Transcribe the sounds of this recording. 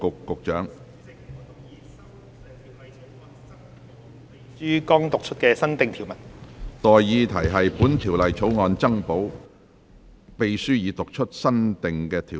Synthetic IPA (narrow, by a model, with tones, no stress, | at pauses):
kʊ˨kːʊ˨k̚t͡ʃœː˨˥ŋ | yː˥kɔː˥ŋt̪ʊ˨k̚t͡ʃʰɵ˥t̚kɛː˧sɐ˥nt̪ɪ˨ŋt̪ʰi˨˩wmɐ˨t̚t̪ɔː˨jjiː˨˧t̪ʰɐ˨˩jɦɐ˨jpuː˨˥nt̪ʰiː˨˩wlɐ˨jt͡sʰo˨˥wŋɔː˨˧nt͡sɐ˥ŋpo˨˥w | pe˨jsyː˥jiː˨˧t̪ʊ˨k̚t͡ʃʰɵ˥t̚sɐ˥nt̪ɪ˨ŋkɛː˧t̪ʰiː˨˩